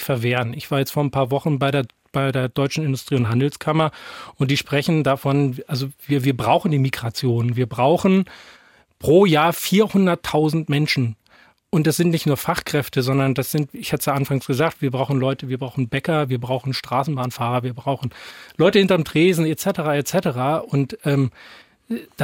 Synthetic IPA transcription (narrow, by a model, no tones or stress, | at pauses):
fɛɐveːʁənʔɪçv̥aːɐjɛt͡stfoːɐnpʰaːɐvɔχn̩baɪɾeːɐ | b̥aɪdeːɐdɔʏt͡ʃn̩ɪndʊstʁ̥iːʊntɦandl̩skʰamɐʔʊntd̥iːʃpʁ̥ɛçn̩dafɔnʔalzoviːɐviːɐbʁaʊxn̩diːmiɡʁat͡sjoːnviːɐbʁaʊxn̩ | pʁ̥oːjaːɐfiːɐhʊndɐtʰːaʊzn̩tmɛnʃn̩ | ʔʊntd̥asz̥ɪntnɪçtnuːɐfaχkʁ̥ɛftəzɔndɐndasz̥ɪntɪçhatəsjaːʔanfaŋsɡ̥əzaːk̚tv̥iːɐbʁaʊxn̩lɔʏtəviːɐbʁaʊxn̩bɛkɐviːɐbʁaʊxn̩ʃtʁ̥aːsn̩baːnfaːʁɐviːɐbʁaʊxn̩lɔʏtəhɪntɐmtʁ̥eːzn̩et͡sɛtəʁaːet͡sɛtəʁaːʔʊntʔɛːm | d̥a